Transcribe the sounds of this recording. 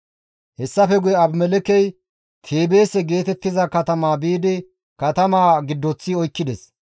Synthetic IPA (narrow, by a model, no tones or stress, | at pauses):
hɛsːɐfɛɡʊjɛɐbmɛlɛkɛj | t̪ʰeːbe̞ːsɛɡe̞ːt̪ɛt̪ːɪzɐkɐt̪ɐmaːbiːd̪ɪ | kɐt̪ɐmaːɡɪd̪ːɔt͡sːiɔjkːɪd̪ɛs